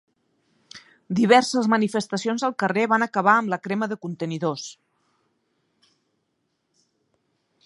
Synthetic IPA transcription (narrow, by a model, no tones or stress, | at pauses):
d̪iβ̞ɛɾsəzmənifəst̪əsionzəlˠkəreβanəkəβ̞aəmləkɾeməðəkunt̪əniðos